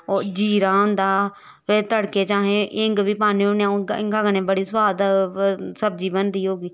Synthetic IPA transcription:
oːɾd͡ʒiːɾãːɦʊ̃nd̪aː | ʋeːt̪əɽkeːt͡ʃãːɦẽːʔɪŋɡbiːpaːnĩːõneãɪ̰ŋɡaɡnẽːbəɽiːsʋaːd̪ | səb̚d͡ʒiːbənd̪iːɦoːɡiː

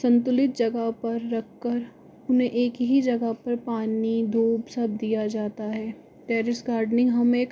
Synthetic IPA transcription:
sɐ̃nt̪ʊlɪt̪̚d͡ʒɐɡəɦpɐɾːɐkːəɾ | ʊnɦẽʔeːkɦid͡ʒɐɡəɦpɐɾpaːnid̪ʱoːbsɐb̚d̪ijad͡ʒaːt̪aɦɛː | ʈɛːɾɪsɡaːɾɖnɪ̃ŋɡɦɐmeːk

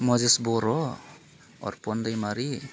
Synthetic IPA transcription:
mɔzesbɔɾɔ | ɔ̰ɾpɔnd̪ajmaɾi

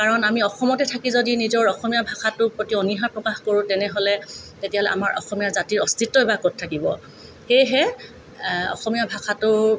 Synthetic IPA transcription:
kaɹɔnamiɔxɔmɔtɛtʰakizodinizɔɹɔxɔmijabʱaxʰatʊpɹotiɔniɦaɹpɹɔkaxkoɹʊ̃tɛnɛɦolɛtetijaɦɔlɛʔa̰maɹʔɔ̰xɔmijaɹzatiɹɔstitːɔɛbakot̚tʰːakibɔ | xejɦɛ | ɔ̰xɔmijabʱaxʰatʊ

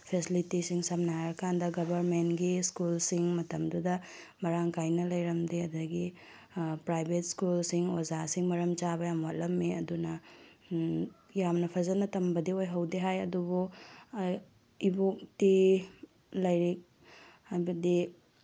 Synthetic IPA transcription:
pʰesilitisiŋsɐmnaɾɐkʰandɐɡɐbʱɐɾmentɡiskulsiŋmɐtɐmdudɐ | mɐɾaŋkʰajnɐlɐjɾɐmdeɐdɐɡi | pɾajbʱet̚skulsiŋozasiŋmɐɾɐmt͡ʃabɐjamwat̚lɐmːeɐdunɐ | jamnɐpʰɐzɐnɐtɐmbɐdiojɦɐwdiɦajɐdubu | ibok̚ti | lɐjɾik̚ | hajbɐdi

